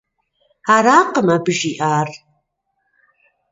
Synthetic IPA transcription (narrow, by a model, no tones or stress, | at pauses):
aɾaːqəmabʒiʔaːr